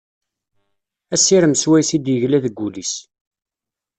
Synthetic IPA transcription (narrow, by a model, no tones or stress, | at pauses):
æsːiɾəmswæjsid̪jəʝlæðəɡːulis